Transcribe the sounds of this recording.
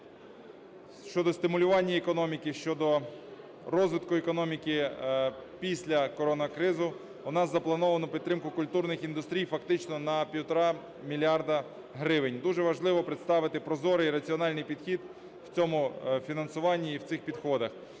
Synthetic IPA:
ʃt͡ʃɔd̪ɔst̪ɪmʊlʲʊʋɑnʲːɐɛkɔnɔmʲikɪʃt͡ʃɔd̪ɔ | rɔzʋɪt̪kʊɛkɔnɔmʲikɪ | pʲisʲlʲɐkɔɾɔnɐkɾɪzʊ | ʊnɑzzɐplˠɐnɔʋɐnʊpʲit̪ːɾɪmkʊkʊlʲt̪urnɪxind̪ʊst̪ɾʲijfɐkt̪ɪt͡ʃnɔnɐpʲiwt̪ɾɑ | mʲilʲɑrd̪ɐ | ɦɾɪʋɪnʲd̪uʒɛʋɐʒlˠɪʋɔpɾɪt̪st̪ɑʋɪt̪ɪpɾɔzɔɾɪiɾɐt͡sʲiɔnɑlʲnɪjpʲid̪xʲid̪ | w̥t͡sʲɔmʊfʲinɐnsʊʋɑnʲːiːwt̪sɪxpʲid̪xɔd̪ɐx

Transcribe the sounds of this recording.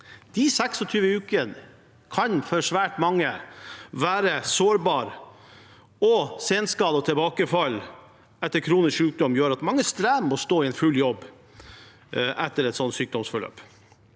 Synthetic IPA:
d̪̥ɪsɛksɔt̪ʰyːʋəʉːkən | kʰɑnfɔʂʋæːʈmɑŋːəʋæːɾəsoːɾbɑːɾ | ɔseːnskɑːlɔt̪ʰɛlbɑːkəfɑlː | ɛt̪ːəɾkʰɾuːnəsʃʉːk̚d̪ɔmjøːɾɑt̪mɑŋːəst̪ɾæːmːɔst̪oːɪɛnfʉlːjɔbː | ʔɛt̪ːəɾɛt̪sɔnt̪syːk̚d̪ɔmsfɔɭø̰ːp

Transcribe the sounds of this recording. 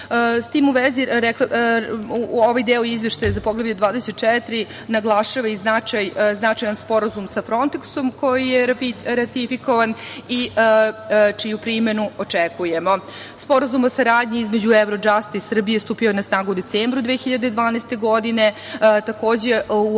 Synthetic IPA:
st̪iːmuʋeziɾɛk | uoʋajd̪eːoizʋeʃt̪ajzapoɡlˠebjeod̪ʋaːd̪eset̪̚t͡ʃɛt̪ɾi | naɡlˠaʃaʋaiznat͡ʃajznat͡ʃajanspo̞ɾazumsafɾo̞nt̪ekso̞mko̞jijeiɾat̪ifiko̞ʋani | t͡ʃijupɾime̞nuot͡ʂekuje̞mo̞ | spo̞ɾazumosaɾaːd̪ɲiizmed͡ʑuevɾod͡ʒast̪isr̩bije̞st̪uːpiojenasnaːɡud̪et̪seːmbɾud̪ʋexiʎad̪ed̪ʋaːneːst̪eɡo̞d̪ine̞t̪ako̞ːd͡ʑeu

